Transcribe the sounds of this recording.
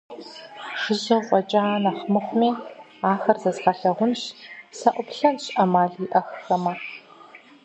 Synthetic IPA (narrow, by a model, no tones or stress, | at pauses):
ʃɪʑɐqʷʼɔt͡ʃʼaːnɐχmɨχʷʊmiː | aːxɐrzɐzxaɬɐʁʷʊnɕsɐʔʷʊpɬɐnɕʔɐmaːɮiʔɐxxɐmɐ